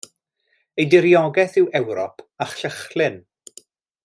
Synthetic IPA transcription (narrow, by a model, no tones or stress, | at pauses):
ejdɪɾjɔɡɛθɪwɛwɾɔ̰pʰaχɬəχlˠɪn